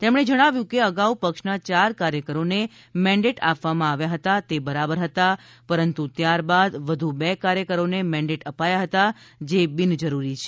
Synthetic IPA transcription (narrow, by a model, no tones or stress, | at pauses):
t̪emɳ̃ed͡ʒəɽ̃aʋjũkeəɡaupəkʃnat͡ʃaɾkaɾjəkəɾone | mɛ̃ɳɖeʈapʋamãaʋjaɦət̪at̪ebəɾabəɾɦət̪a | pəɾənt̪ut̪jaɾbad̪ʋəd̪ʱubekaɾjəkəɾonemɛ̃ɳɖeʈəpajaɦət̪ad͡ʒebind͡ʒəɾuɾit͡ʃʰe